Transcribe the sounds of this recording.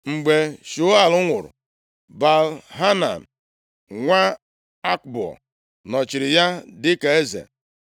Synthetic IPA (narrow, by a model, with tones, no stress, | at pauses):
ŋ͡m̩˨ɡ͡be˨ʃʊ˨˦a˨lʊ˦ŋʷʊ˨ɾʊ̰˨ | ba˨lɦa˦na̰˨n̩˨ | ŋʷa˦ | a˦k̚bɔ̰˨ | nɔ˨t͡ʃɪ˨ɾɪ˨ja˦dɪ˦ke˨e˦zḛ˨